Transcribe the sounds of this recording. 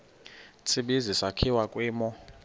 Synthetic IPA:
t͡sʰiɓizisakʰiwakʼwɛːmɔ

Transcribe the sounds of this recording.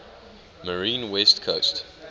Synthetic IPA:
məɹĩːnwɛstkʰost

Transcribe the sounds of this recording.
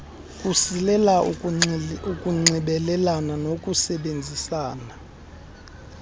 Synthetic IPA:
kʼusilɛla | ukʼuŋ͡ǀiɓɛlɛlananokʼusɛɓend͡zʱisaːna

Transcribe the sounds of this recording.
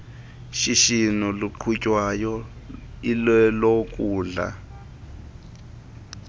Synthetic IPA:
ʃiʃinuluǃʰucʼwajɔ | ilɛlokʼuːɮa̰

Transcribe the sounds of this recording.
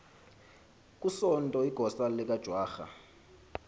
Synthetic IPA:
k̬ʼusɔntʼɔiɡ̥ʱɔsalɛk̬ʼad̥ʒ̥ʱwaːxa̰

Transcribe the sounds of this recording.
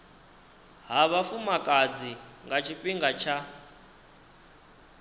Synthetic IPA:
ɦaβafumakʼad͡ziŋɡat͡ʃʰipʼiŋɡat͡ʃʰa

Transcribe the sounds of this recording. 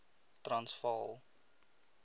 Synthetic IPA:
trɐnsfɑlˠ

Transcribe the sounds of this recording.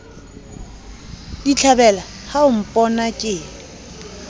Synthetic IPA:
dit͡ɬʰabɛla | haʊm̩pʼɔnakʼɪ

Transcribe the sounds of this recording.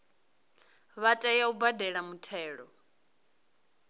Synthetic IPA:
βatʼajaubadɛɺamutʰɛːɺɔ

